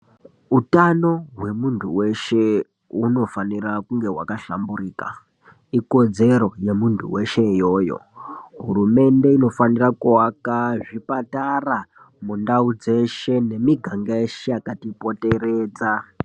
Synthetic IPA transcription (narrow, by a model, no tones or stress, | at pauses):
utano̞ɦwe̞muntʰuwe̞ʃe̞ | uno̞fanirakuŋɡe̞ɦwa̰kaɬa̰mburiːka̰ | iko̞d͡ze̞ɾo̞je̞muntʰṵwe̞ʃe̞jo̞jo̰ɦurume̞nde̞ino̞fanirakuwakaʐipatara | mundaud͡ze̞ʃe̞ne̞miɡʱaŋɡaeʃeakatipo̞te̞ɾe̞ːd͡za